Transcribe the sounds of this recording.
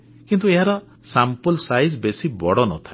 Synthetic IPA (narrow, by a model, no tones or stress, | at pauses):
kint̪ueɦaɾɔ | sampɔlsajzbesibɔɽɔnɔt̪ʰa